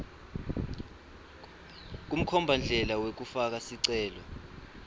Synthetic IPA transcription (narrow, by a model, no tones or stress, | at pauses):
k̬ʼum̩kʰɔmbʱand͡ɮʱɛlawek̬ufak̬asiǀɛːlɔ